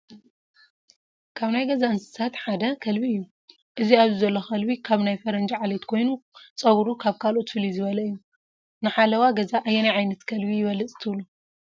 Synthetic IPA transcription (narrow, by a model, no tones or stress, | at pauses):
kʰaβnajɡɐzaɨnsɨ̥sʰat̪ħad̪ɐkʰɐlbiɨjːu | ʔɨziaβzizɐlːoxɐlβikʰaβnajfɐɾɐnd͡ʒiʕalet̪kʰo̞jnut͡sʼɐβɾukʰaβkʰalo̞t̪fɨlizɨβɐlɐɨjːu | nɨħalɐwaɡɐzaʔːjːenajʕajnɐt̪kʰɐlbijɪβɐlːɨt͡sʼɨ̥t̪ʰɨβlu